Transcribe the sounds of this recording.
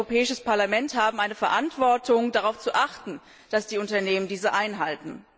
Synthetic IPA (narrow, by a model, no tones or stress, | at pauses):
opʰɛːɪʃəspaɐlamɛnthaːbm̩ʔaɪnəfɛɐʔantv̥ɔɐtʊŋdaʁaʊft͡suʔaχtn̩ | d̥asd̥iːʊntɐneːməndiːzəʔaɪnɦaltn̩